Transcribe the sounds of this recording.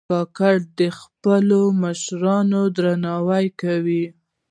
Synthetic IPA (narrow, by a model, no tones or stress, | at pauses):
ɑkaɽd̪əxpəloməʃɾɑnod̪ɾanɑwajkawi